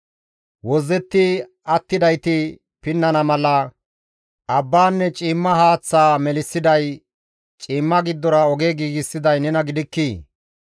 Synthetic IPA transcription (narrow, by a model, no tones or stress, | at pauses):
wɔzːɛt̪ːɪ | ɐt̪ːɪd̪ɐjt̪ɪ | pɪnːɐnɐmɐlɐ | ʔɐbːaːnːɛt͡ʃʼiːmːɐɦaːt͡sːaːmɛlɪsːɪd̪ɐj | t͡ʃʼiːmːɐɡɪd̪ːɔɾɐɔɡeːɡiːɡɪsːɪd̪ɐjnɛnɐɡɪd̪ɪkːiː